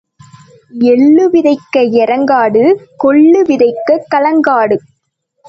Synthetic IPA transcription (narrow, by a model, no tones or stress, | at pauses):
ɛɭːɯʋɪðɐɪkːɐɛɾɐŋɡaːɽɯkɔɭːɯʋɪðɐɪkːɐkːɐlɐŋɡaːɽɯ